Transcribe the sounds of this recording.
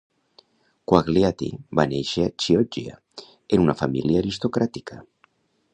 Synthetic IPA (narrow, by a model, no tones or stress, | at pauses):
kwaɣliat̪ḭbaneʃeat͡ʃiɔd͡ʒia̰ | enunafamḭljaːɾist̪okɾat̪i̥kʰa